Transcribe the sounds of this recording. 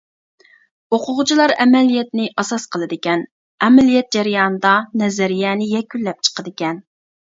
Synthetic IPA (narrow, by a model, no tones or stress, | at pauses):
oqʰʊʁʊt͡ʃʰilˠɑɾɛmɛlijɛt̪nɪʔɑsɑsqʰəlˠɨd̪ɪkʲɛn | ɛmɛlijɛt̪̚d͡ʒɛɾijɑːnɨd̪ɑnɛzæɾijɛːnɪjɛkʲylːɛp̚t͡ʃʰə̥qəd̪ɪkʲɛn